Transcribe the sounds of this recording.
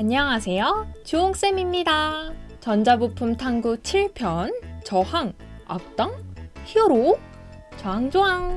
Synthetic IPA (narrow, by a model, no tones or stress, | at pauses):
aɲːʌŋasʰe̞jot͡ɕuoŋs͈emimɲidat͡ɕʌnd͡ʑabupʰumtʰaŋɡut͡ɕʰiɭpʰjʌnt͡ɕʌhaŋ | a̰k̚t͈ʌŋhiʌɾo | t͡ɕʌɦaŋd͡ʑoɦaŋ